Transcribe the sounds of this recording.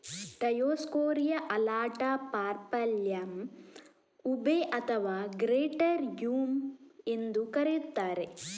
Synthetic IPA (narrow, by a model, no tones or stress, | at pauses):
ʈɐjoːskoːɾijɐʔɐlaːʈapaːɾpɐljɐm | ubeʔɐt̪ʰɐʋaːɡɾeːʈɐɾjuːmend̪ukɐɾejut̪ːaːɾe